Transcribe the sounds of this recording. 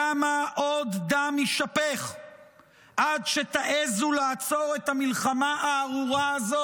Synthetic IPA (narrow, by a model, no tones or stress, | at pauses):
amaʔod̪ːamiʃape̞χ | ʔadʃet̪aʔezulaːt͡so̞ʁet̪hamilχamaʔaːʁuʁaːzo